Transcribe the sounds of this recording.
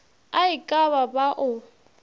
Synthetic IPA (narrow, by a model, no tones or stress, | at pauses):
aɪkʼaβabaʔʊ